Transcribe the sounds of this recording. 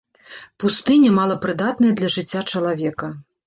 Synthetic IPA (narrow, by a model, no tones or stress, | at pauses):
pust̪ɨnʲɛmalˠɐpɾɨd̪at̪̚nɐjɐd̪lʲɐʐɨt͡sʲːat͡ʂɐlˠavʲɛkɐ